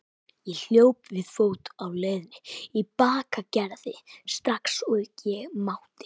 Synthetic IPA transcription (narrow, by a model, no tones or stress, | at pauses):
jɛl̥joːwpvɪðfoːwt̪awleːjðnɪipaːkacɛɾðɪst̪ɾaksuðcɛɣmaːwt̪ɪ̥